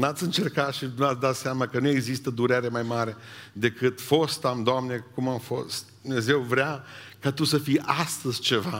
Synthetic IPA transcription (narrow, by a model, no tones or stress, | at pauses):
nat̪sʲɨnt͡ʃe̞rkat̪ʃinat̪sʲd̪at̪seamakənue̞ɡzist̪əd̪uɾeɾemajmaɾe̞d̪e̞kɨt̪fo̞st̪amd̪oamne̞kumamfo̞sst̪̚d̪umne̞ze̞wvɾea | kat̪usəfijʔast̪əzʲt͡ʃe̞va